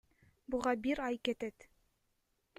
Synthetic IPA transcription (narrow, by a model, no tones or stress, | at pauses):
buʁɑbiɾɑjkɘ̆t̪ɘt̪